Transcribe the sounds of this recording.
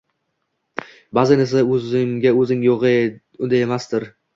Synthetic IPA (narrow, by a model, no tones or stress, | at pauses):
bazanɪsaɵzɪŋɡʲaɵzɪŋjoʁɨ | ʊd̪ajemast̪ɪɾ